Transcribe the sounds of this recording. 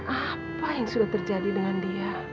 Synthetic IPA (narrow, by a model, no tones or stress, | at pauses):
ʔapajaŋsudaht̪ərd͡ʒadidəŋandia